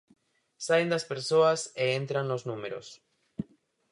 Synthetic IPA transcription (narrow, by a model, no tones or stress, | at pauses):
saend̪aspe̞ɾsoaseẽnt̪ɾanlo̞znũmeɾo̰s